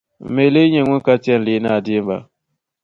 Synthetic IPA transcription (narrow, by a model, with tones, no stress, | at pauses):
me˨le˦ɲe˨ŋʷu˦ka˦ti˦ɛ˦n˨li˦na˦˨di˦m˦ba̰˨